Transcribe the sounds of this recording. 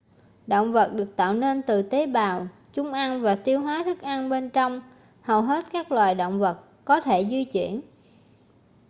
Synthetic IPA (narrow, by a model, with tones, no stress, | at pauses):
ɗo̰˧˨wŋ͡mvə˨˩t̚ɗɨ˨˩ək̚t̪a̰ː˧˨wne˧nt̪ɨ˨˩t̪e˨˦ɓaː˨˩w | t͡ɕʊ˧ŋ͡mʔa˧nvaː˨˩t̪i˧əwɦwaː˨˦t̪ʰɨ˦˥k̚ʔa˧nɓe˧nt͡ɕɔ˧wŋ͡m | hə˨˩wɦe˦˥t̚kaː˦˥k̚lwaː˨˩jɗo̰˧˨wŋ͡mvə˨˩t̚ | kɔ˨˦t̪ʰe˧˩zwi˧t͡ɕwḭ˧˩˨ən